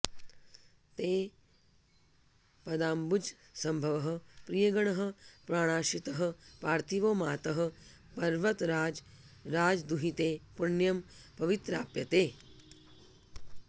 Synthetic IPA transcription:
t̪eː | pɐd̪aːmbud͡ʒ | sɐmbʱɐʋɐɦɐ̆pɾijɐɡɐɳɐɦɐ̆pɾaːɽ̃aːʃit̪ɐɦɐ̆paːɾt̪ʰiʋoːmaːt̪ɐɦɐ̆ | pɐɾʋɐt̪ɾaːd͡ʒ | ɾaːd͡ʒd̪uɦit̪eːpuɳjɐmpɐʋit̪ɾaːpjɐt̪eː

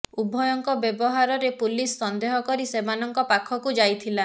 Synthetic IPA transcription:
ubʱɔjɔŋkɔbjebɔɦaɾɔɾepulisːɔnd̪eɦɔkɔɾisemanɔŋkɔpakʰɔkud͡ʒajt̪ʰila

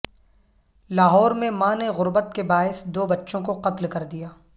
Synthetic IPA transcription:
laːɦɔːɾmẽmãneɣʊɾbət̪kebaːɪsd̪oːbɐtːʃõkoqɐt̪lkɐɾd̪ijaː

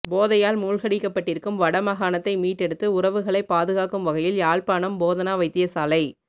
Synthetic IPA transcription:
boːðɐjaːlmuːlɣɐɽɪkːɐpːɐʈːɪɾɯkːɯmʋɐɽɐmɐɣaːnɐt̪ːɐɪmiːʈːɛɽɯt̪ːɯʊɾɐʋɯɣɐɭɐɪpːaːðɯɣaːkɯmʋɐɣɐjɪljaːɭpaːɳɐmboːðɐnaːʋɐɪt̪ːɪjɐsaːlɐɪ

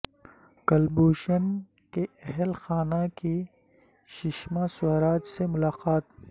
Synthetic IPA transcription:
kɐlbuːʃən | keɛɦɛlxaːnaki | ʃɪʃmãsʊɾaːd͡ʒsemʊlaːqaːt̪̚

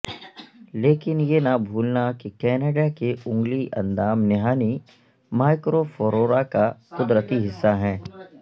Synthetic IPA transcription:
leːkɪnjenabʱuːlnakikɛːneːɖakeʊ̃ŋɡliʔɐ̰̃nd̪aːmnɪɦaːni | maːɪkɾofoɾoːɾakakʊd̪ɾət̪iɦɪsːaɦɛ̃ː

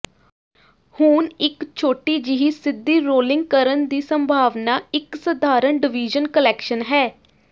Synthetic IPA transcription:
huːnɪkt͡ʃʰoːʈiːd͡ʒɪɦiːsɪd̪ːiːɾoːlɪ̃ŋɡ̚kəɾənd̪iːsəmbʱaːʋnaːɪksəd̪ʱaːɾəɳɖɪʋiːd͡ʒənkəlɛːkʃənɦɛː

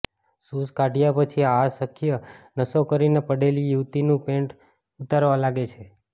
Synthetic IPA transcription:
suskaɖʱijapət͡ʃʰiasəkʰijənəsokəɾinepəɽelijuʋt̪inũpẽɳʈ | ut̪aɾʋalaɡet͡ʃʰe

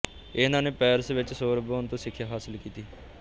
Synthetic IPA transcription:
ɪnãːneːpɛːɾsʋɪt͡ʃsoːɾəboːnt̪õːsɪkʰːjaːɦaːsɪlkiːt̪iː

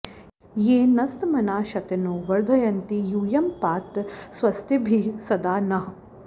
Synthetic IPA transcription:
jeːnɐst̪mɐnaːʃɐt̪ɐnoːʋɐɾd̪ʱɐjɐnt̪ijuːjɐmpaːt̪sʋɐst̪ibʱisɐd̪aːnɐɦɐ

